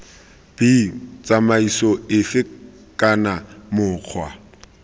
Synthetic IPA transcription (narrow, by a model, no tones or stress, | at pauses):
b̥it͡sʼamaisɔɪfɪ | kʼanamʊːq͡χʰwa̰